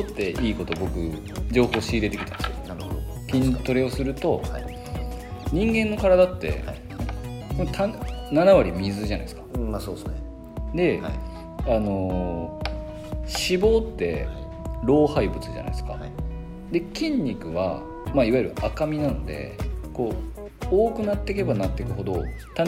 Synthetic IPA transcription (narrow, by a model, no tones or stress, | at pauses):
ot̪ːe̞ʔiːko̞t̪o̞bo̞kɯ̟ | d͡ʑo̞ːho̞ːɕiːd̪e̞t̪e̞kʲi̥t̪and̪esijonɾɯ | kʲĩɲt̪o̞ɾeo̞sɨɾɯ̟t̪o̞a | ɲ̟ĩŋɡẽ̞nːo̞kaɾad̪at̪ːe̞̰ | ot̪ʰannanaβaɾʲimʲizɨʑana̰isɨ̥kḁsos | d̪e̞ | ano̞ | ɕibo̞ːt̪ːe̞̰ | ɾo̞ːhaibɯ̟t͡sɨʑa̰na̰isɨ̥ka̰ | d̪e̞kʲĩɲ̟ʲːikɯ̟βa̰ | maiβaji̟ɾɯ̟ʔakamʲinano̞d̪e̞̰ko̞ː | oːkɯ̟nat̪ːe̞ke̞banat̪ːe̞kɯ̟ɦo̞d̪o̞ | t̪a